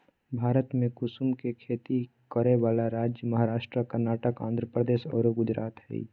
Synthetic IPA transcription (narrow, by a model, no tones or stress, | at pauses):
bʱaːɾət̪mẽkʊsumkekʰeːt̪i | kəɾeʋaːlaɾaːd͡ʒjəməɦaɾaːʃʈɾəkəɾnaːʈəkã̰ːnd̪ɾəpɾəd̪eːʃɔ̰ːɾoɡʊd͡ʒɾa̰ːt̪ɦɛ̰ḭ